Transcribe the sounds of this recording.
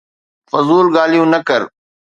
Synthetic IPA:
fʊzuːlɡaːlijũːnəkəɾ

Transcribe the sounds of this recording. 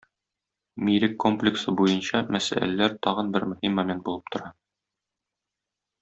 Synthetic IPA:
mʲiɾɘkːo̞mplʲɪksɤbujɤnɕɑmæsæ̰lælæɾt̪ɒʁɤnbɘɾmɵ̆himːɐmʲent̪̚bulˠɤ̥p̚t̪ŏɾɑ

